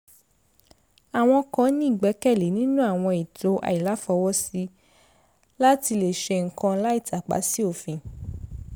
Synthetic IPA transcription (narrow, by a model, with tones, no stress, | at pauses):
a˨w̃ɔ̃˧kã˧˦nĩ˦i˦˨ɡ͡bɛ˨˦kɛ˦˨le˨˦nĩ˦nũ˦a˦˨w̃ɔ̃˧i˨to˨˦ʔa̰˧i˨la˨˦fɔ˧wɔ˦si˦ | la˦ti˧le˨ʃe˧ŋ̩˨kã˧la˦i˦˨ta˨k͡pa̰˨˦si˦o˦˨fĩ˧